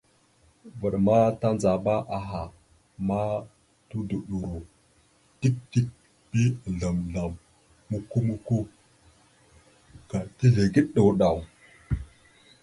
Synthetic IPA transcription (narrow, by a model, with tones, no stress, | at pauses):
və˨ɗma˦ta˦nd͡za˨ba˦ʔa˨ɦa˨ | ma˦ | tu˦du˨ɗu˨ɾu˨ | ti˦k̚ti˦k̚ | pi˦˨ɮa˨mɮa˨mː | u˦ku˦mu˦ku˦ | ka˨ti˦ɮe˨ɡi˦ɗɗə˨wɗa˨w